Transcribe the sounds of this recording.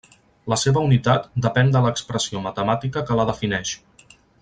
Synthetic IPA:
ləseβəunit̪at̪̚d̪əpɛnd̪ələːkspɾəsiomət̪əmat̪ikəkələðəfinɛʃ

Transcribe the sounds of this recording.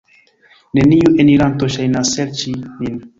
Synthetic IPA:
neniuʔeniɾant̪oʃajnaseɾt͡ʃimin

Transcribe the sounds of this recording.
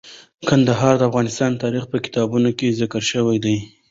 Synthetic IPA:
kand̪aɦɑɾd̪əafɣɑnɪst̪ɑnt̪ɑɾixpəkɪ̥t̪ɑbunokezakəɾʃəwajd̪aj

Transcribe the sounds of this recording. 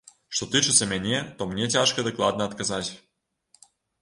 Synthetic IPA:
ʂt̪ot̪ɨt͡ʃɨt̪sʲəmʲenʲet̪omnʲetʲaʃkəd̪əklˠɑd̪̚nəːt̪kazatʲ

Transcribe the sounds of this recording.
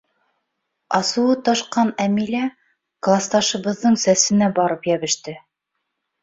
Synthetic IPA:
ɑsŭwɤt̪ɑʃqɑnæmilæ | klˠɑst̪ɑʃɤ̆βɤ̆ðːɤɴsæsɘ̆næbɑɾɤpjæβɘ̆ʃt̪ɘ

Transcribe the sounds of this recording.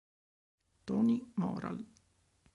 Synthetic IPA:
t̪oːnʲimɑ̰ːɾɑ̰l

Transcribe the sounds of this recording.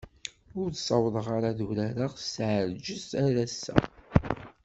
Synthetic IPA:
ʊɾθsɑwðˤəʁaɾaðuɾæɾaʁsʕəɾd͡ʒəzæɾæsːæ̰

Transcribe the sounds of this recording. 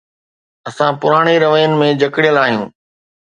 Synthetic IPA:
ɐsãpʊɾaːɽ̃iɾɐʋəjənɪ̆mẽd͡ʑɐkɪɽijəlaːɦijṵ̃ː

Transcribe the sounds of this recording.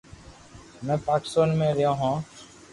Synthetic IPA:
mɛ̃ːpaːkɪ̥soːnmẽːɾɪjõːɦãː

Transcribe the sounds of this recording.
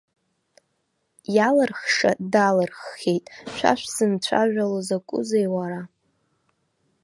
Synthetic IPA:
jalɨrχʂa̰dalɨrχːʲejtʼʃʷa̰ʃʷᶣsɨmt͡ɕʷʰa̰ʒᶣalozakʷʼʊ̰zejwaɾa

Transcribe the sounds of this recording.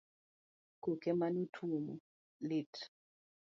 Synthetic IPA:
kokemanutʰumṵ | lit

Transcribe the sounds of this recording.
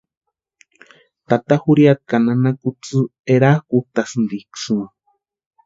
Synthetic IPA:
t̪at̪ahuɾiat̪̚kananakut͡sɨeɾakuht̪asɨnd̪iksu

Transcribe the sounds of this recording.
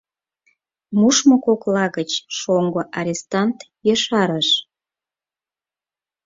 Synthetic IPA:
muʃmokoklɑɣət͡ɕʃoŋɡoʔɑɾʲest̪ɑnt̪ | jəʃɑɾəʃ

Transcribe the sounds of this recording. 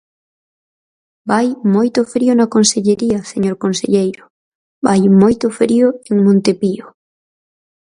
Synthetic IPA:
bajmojt̪ʊfɾiʊnɐkonseʎeɾiɐseɲoɾkonsḛʎejɾʊ | bajmojt̪ʊfɾiʊeŋmõnt̪epio

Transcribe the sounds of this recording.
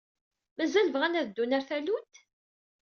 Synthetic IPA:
mæzæləvʁænæðd̪ːunæɾθælut̪

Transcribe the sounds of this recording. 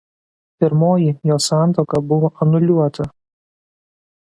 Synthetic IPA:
pʲɪɾmoːjijoːsɑˑnt̪oːkɐbʊʋoʔɐnʊlʲuɔt̪ɐ

